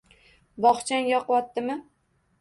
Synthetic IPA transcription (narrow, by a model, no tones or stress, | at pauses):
bɒχt͡ʃʰanjɒqwɒt̪ːɪmɪ